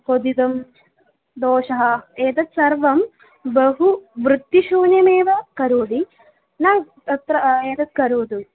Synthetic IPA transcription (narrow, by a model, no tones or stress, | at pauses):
pod̪id̪ɐm | d̪oːʂɐɦɐeːt̪ɐt̪sɐɾʋɐm | bɐɦuʋɾɨt̪ːiʃuːnjɐmeːʋɐkɐɾoːd̪i | naː | t̪ɐt̪ɾɐeːd̪ɐt̪̚kɐɾoːd̪u